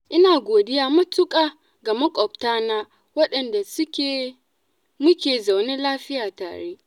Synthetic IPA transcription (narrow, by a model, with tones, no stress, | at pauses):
ʔɪ˦naː˨ɡʷoː˨dɪ˦jaː˦mɐ˦tʊ˦kʼaː˦˨ | ɡɐ˨mɐ˦kʷʼɔ˨p̚taː˦naː˦ | wɐ˦ɗɐ˨nda˨sʊ˦kʲe˦˨ | mʊ˦kʲeː˨za˨wneː˦laː˦ɸɪ˦jaː˨ta̰ː˨ɽeː˦ʔ